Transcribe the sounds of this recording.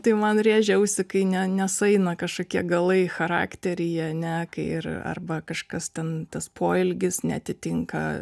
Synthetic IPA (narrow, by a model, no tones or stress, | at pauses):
t̪ɐɪmɐnrʲeːʒʲɛʊsʲɪkɐɪnʲɛnʲɛsɐɪnɐkɐʃkoːkʲiɛɡɐlˠɐɪxɐɾɑ̰ːkt̪ʲɛɾʲɪɪɐnʲɛkɐɪɪ̰rɐ̰rbɐkɐʃkɐst̪ʲɛnt̪ɐspʰoːɪlʲɡʲɪsnʲɛ̰ɐt̪ʲɪt̪ʲɪŋkɐ̰